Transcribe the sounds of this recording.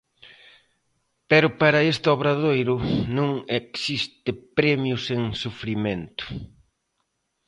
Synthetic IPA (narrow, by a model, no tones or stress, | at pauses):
pɛɾʊpaɾɐest̪ɔβɾaðojɾʊnõŋeksist̪ɪpɾɛmjʊseŋsufɾiment̪ʊ̥